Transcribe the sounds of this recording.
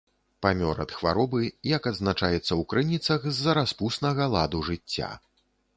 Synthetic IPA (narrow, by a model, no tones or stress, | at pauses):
pamʲɔɾɐ̰t̪xva̰ɾɔbɨjɐkɐd̪znat͡ʂajɛt̪sːɐwkɾɨnʲit̪sɐxzːɐɾaspusnɐɣɐlˠa̰d̪uʐɨt͡sʲːa̰